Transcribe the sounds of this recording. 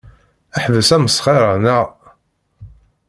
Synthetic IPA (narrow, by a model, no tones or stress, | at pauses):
æħðəsæməsˤχeɾənæʁ